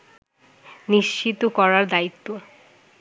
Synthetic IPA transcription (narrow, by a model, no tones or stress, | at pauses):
niʃt͡ɕit̪okɔɾaɾd̪ait̪ːo